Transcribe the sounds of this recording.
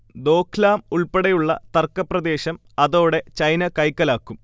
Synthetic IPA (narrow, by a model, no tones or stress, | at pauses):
d̪o̞ːkʰlaːmuɭpeɽɐjuɭːɐ̰t̪ɐrkːɐprɐd̪e̞ːɕɐm | ɐðo̞ːɽe̞t͡ɕɐjnɐkɐjkːɐlaːkːum